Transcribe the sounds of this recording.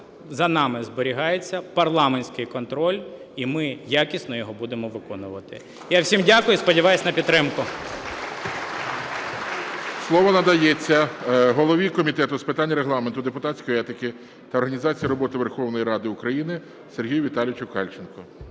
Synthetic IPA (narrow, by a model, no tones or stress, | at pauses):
zɐnɑmɪzbɔɾʲiɦɑjet͡sʲːɐpɐrlˠɑmenʲsʲkɪjkɔnt̪ɾɔlʲ | imɪjakʲisnɔjɔɦɔbud̪emɔʋɪkɔnʊʋɐt̪ɪ̰ | jawsʲimdʲakʊjʊspɔdʲiʋɑjʊsʲnɐpʲid̪t̪ːɾɪmkʊ | slˠɔʋɔnɐd̪ɐjɛt͡sʲːɐɦɔlˠɔʋʲikɔmʲit̪ɛt̪ʊspɪt̪anʲːɐɾeɦlˠɑment̪ʊd̪epʊt̪asʲkɔjɔɛt̪ɪkɪ | t̪ɐɔrɦɐnʲizɑt͡sʲijiɾɔbɔt̪ɪʋerxɔwnɔjiɾɑd̪ɪʊkɾɐjinɪ | serɦʲijʊʋʲit̪ɑlʲjɪt͡ʃʊkɑlʲt͡ʃenkɔ